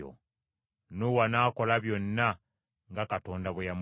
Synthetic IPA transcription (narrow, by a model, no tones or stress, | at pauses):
o̰ | nowanako̞laβjo̞nːa | ŋɡakatoːndaβwejam